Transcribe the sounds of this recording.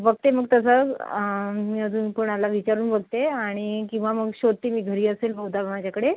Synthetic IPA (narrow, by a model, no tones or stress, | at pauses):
bəɡ̚t̪eməɡ̚t̪əs̬ə | miːəd̪uːnpoɳ̃alaʋit͡ɕaɾuːnbəɡ̚t̪eaɽ̃ikĩw̃ʋaməɡɕod̪̚t̪iːmiːɡʱəɾiːəseːlbʱəɦwd̪ʱamad͡ʑjakəɽe